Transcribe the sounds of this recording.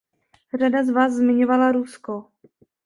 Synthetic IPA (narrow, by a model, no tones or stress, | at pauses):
r̝adazvaːszmɪɲovalaɾusko